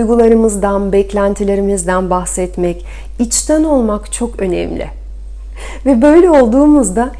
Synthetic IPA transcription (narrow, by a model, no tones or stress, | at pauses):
jɡulˠaɾɯmɯzd̪anbɛclʲænt̪ʰilʲe̞ɾimizd̪ænbaxsɛt̪mɛc | it͡ʃt̪ʰɛno̞lˠmakt͡ʃʰo̞kø̞nɛ̰mlʲɪ̰ | vɛbø̞jlʲɛo̞lˠd̪uːmuzd̪a